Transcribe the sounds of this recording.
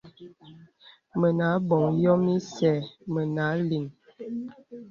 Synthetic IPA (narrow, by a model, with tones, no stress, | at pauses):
mə˨na˨˦bɔ˨ŋjɔ˦mi˦sɛ˨mə˨na˨˦li˨ŋ